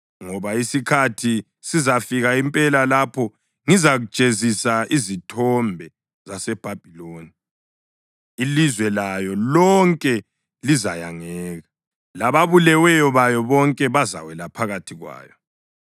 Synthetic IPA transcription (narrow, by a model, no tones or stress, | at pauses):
ŋɔβaisikʰatʰi | sizafiɣaimpʼɛlalapʰɔ | ŋizaɣu̥ʒ̥ʼʱezisaizitʰɔmbʱɛ | zasɛb̥ʱab̥ʱiloːni | lizwɛlajɔlɔŋkʼɛ | lizajaŋɛːɣa | laβaβulɛwɛjɔβajɔβɔŋkʼɛβaza̰wɛlapʰaɣatʰiɣwa̰ːjɔ